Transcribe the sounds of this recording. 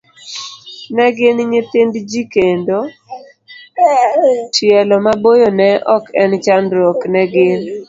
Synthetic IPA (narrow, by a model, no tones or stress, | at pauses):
nɛɡɪnɲet̪endd͡ʒikendo | t͡ʃjɛlɔmabojonɛʔɔkɛnt͡ʃanɾɔknɛɡɪn